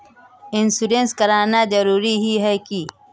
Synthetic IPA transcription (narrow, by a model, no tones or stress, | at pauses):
ɪnsuɖẽnskɐɾaːnad͡ʒɐɾuːɾiɦiɦɛki